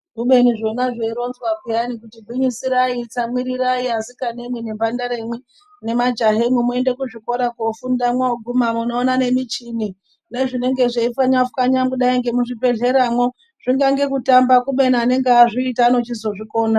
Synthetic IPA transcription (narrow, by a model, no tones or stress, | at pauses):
kuɓe̞niʐo̞naʐeiɾo̞nzwakijanikutibʱuɲisiɾait͡samiɾiɾaiazikane̞mwene̞mbandaɾemwe | ne̞mad͡ʒaɦemwemue̞nde̞kuʐiko̞ɾakofundamwaoɡʱumamunoːnane̞mit͡ʃini | neʐine̞ŋɡe̞ʐeifaɲafkaɲamɡuɗaiŋɡe̞muʐipe̞ɮe̞ɾamwo̞ | ʐ̥iŋɡaŋɡe̞kutambakuɓe̞niane̞ŋɡeaʐiitaːno̞t͡ʃizo̞ʐiko̞ːna